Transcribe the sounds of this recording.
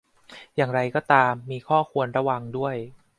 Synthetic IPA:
jaː˨˩ŋɾa˧jkɔː˥˩t̪aː˧mːiː˧kʰɔː˥˩kʰu˧ənɾa˧˥wa˧ŋdu˥˩əj

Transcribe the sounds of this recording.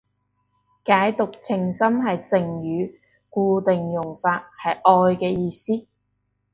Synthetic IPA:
kaː˨˥jt̪ʊ˨k̚t͡sʰɪ˨˩ŋsɐ˥mɦɐ˨jsɪ˨˩ŋjyː˨˧ | kuː˧t̪ɪ˨ŋjʊ˨˩ŋfaː˧t̚hɐ˨jʔɔː˧jkɛː˧jiː˧siː˥

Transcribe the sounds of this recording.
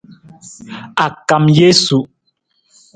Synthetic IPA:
a˨ka˨mje˦su˨ʔ

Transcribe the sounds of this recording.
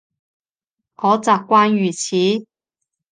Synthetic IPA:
ŋɔː˨˥t͡saː˨˧kkːʷaː˥njyː˨˩t͡sʰiː˨˥

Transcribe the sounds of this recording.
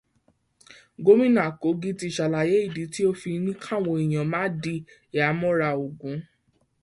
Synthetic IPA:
ɡo˦mĩ˦nã˦˨ko˨˦ɡi˦ti˧˨ʃa˨la˨je˨˦i˦˨di˨˦ti˦o˦fi˧nĩ˦kʰã˦˨w̃ɔ̃˧i˨j̃ã˨mã˦di˧ | i˨a˨˦mɔ̃˦ɾa˧˨o˨ɡũ˨˦

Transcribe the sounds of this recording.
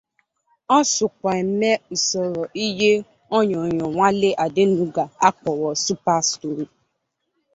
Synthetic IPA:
ɔ˦sʊ˨kʷa˨e˨me˦u˨sɔ˨ɾɔ˨ʔi˦ɦe˦ | ɔ˦ɲɔ˨ɲɔ˨ŋʷa˦le˦ʔa˨dɪ˦nu˦ɡa˨a˦k͡pɔ˨wɔ˨su˦pa˦sto˨ɾi˨

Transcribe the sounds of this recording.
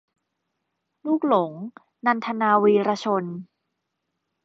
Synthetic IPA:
luː˥˩k̚lo˩˦ŋ | na˧nt̪ʰa˧naː˧wiː˧ɾaː˧t͡ɕʰo˧n

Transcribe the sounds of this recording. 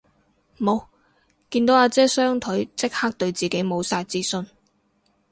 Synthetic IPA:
mo˨˧w | kiː˧nt̪o˨˥waː˨˧t͡sɛː˥sœː˥ŋt̪ʰɵ˨˥ɥt͡sɪ˥k̚haː˥k̚t̪ɵ˧ɥt͡siː˨˩ke˨˥jmo˨˧wsaː˧jt͡siː˥sɵ˧n

